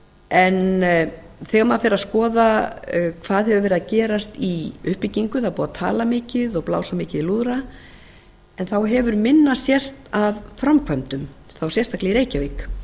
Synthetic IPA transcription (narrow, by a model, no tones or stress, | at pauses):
ɛn | θɛːɣamafɪɾɪaðskɔːðakʰvaːðhɛvʏɾvɛɾɪðacɛːɾast̪iʏhpɪciŋkʏθawpuːðat̪ʰa̰ːlamɪːcɪðɔɣpla̰ːwsamɪːcɪðiluðɾa | ɛnθawɦɛvʏɾmɪnːasjɛst̪avfɾamkʰvamt̪ʏmθawsjɛst̪ahklɛiɾeːjcavɪk